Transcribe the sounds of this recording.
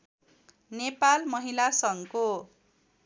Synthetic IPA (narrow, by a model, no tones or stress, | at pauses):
nepalmʌɦilasʌŋko